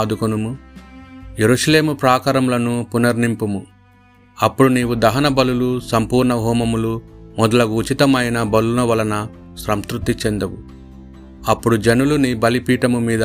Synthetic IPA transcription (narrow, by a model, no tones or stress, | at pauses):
d̪ukunumu | jeɾuʂɐle̞ːmupɾaːkɐɾɐmlɐnupunɐɾnimpɐmu | ɐpːuɽuniːwud̪ɐɦɐnɐbɐlulusɐmpuːɾɳɐɦɔːmɐmulumɔd̪ɐlɐɡuːt͡ʃit̪ɐmɐjɐnɐbɐlːunɐʋɐlɐnɐ | ʃɾɐmst̪ɾut̪ːit͡ʃend̪ɐwu | ɐpːuɽud͡ʒɐnulunibɐlipiːʈɐmumiːd̪